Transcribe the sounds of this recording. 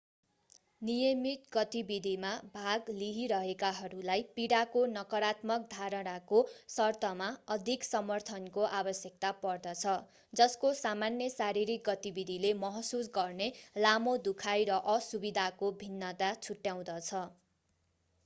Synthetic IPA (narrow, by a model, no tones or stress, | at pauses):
nijʌmit̪ɡʌt̪ibid̪ʱimabʱaɡliɦiɾʌɦekaɦʌɾulajpiɽakonʌkʌɾat̪mʌk̚d̪ʱaɾʌnakosʌrt̪ʌmaʌd̪ʱiksʌmʌrt̪ʰʌnkoʔabʌsjʌk̚t̪apʌrd̪ʌt͡sʰʌ | d͡zʌskosamanːjʌsaɾiɾik̚ɡʌt̪ibid̪ʱilemʌɦsusɡʌrnelamod̪ukʰajɾʌʔʌsubid̪ʱakobʱinːʌt̪at͡sʰuʈjaw̃d̪ʌt͡sʰʌ